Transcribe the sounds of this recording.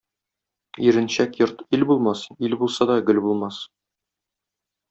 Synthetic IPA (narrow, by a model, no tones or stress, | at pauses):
iɾɘ̆nɕækjŏɾt̪ilbulˠmɑsilbulˠsɑd̪ɒɡɵ̆lbulˠmɑs